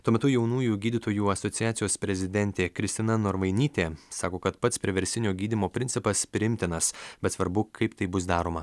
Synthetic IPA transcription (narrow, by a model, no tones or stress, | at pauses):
t̪uɔmʲɛt̪ʊjɛʊnuːjuːɡʲiːd̪ʲɪt̪oːjuːɐsɔt̪sʲɪjæːt̪sʲɪjoːspʲɾʲɛzʲɪd̪ʲɛnʲt̪ʲeːkɾʲɪst̪ʲɪnɐnoːɾʋɐɪnʲiːt̪ʲeːsɑːkoːkɐt̪pɐt̪spʲɾʲɪʋʲɛɾʲsʲɪnʲoːɡʲiːd̪ʲimoːpʲɾʲɪnʲsʲɪpɐspʲɾʲɪɪmʲt̪ʲɪnɐsbʲɛt̪sʋɐɾbʊkʰɐɪpt̪ɐɪbʊsd̪ɑːɾoːmɐ